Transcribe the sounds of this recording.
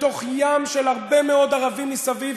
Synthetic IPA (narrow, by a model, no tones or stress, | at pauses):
to̞χjamʃelhaʁbe̞meo̞d̪aʁavimlisaviv